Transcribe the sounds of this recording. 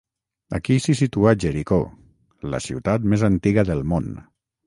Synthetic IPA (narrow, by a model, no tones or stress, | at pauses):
a̰kisisit̪uaʒeɾiko | lə̰sḭwt̪at̪mezant̪iɣəðəlˠmon